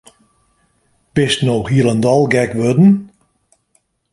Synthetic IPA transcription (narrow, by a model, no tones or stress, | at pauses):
b̥ɪstnowxiəlˠəndɔlˠɡɛkʋødn̩